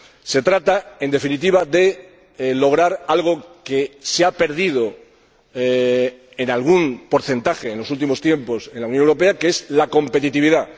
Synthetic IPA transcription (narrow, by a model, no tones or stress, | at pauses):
se̞t̪ɾat̪ae̞nd̪e̞finit̪̬iβaðe̞ | lo̞ɣ̞ɾaɾalɣ̞o̞ke̞seape̞ɾð̞ið̞o̞ | enalɣ̞unpo̞ɾθe̞nt̪axeːnloult̪̬imo̞st̪je̞mpo̞se̞nlauwnjonewɾo̞peakeezlako̞mpe̞t̪it̪iβ̞iða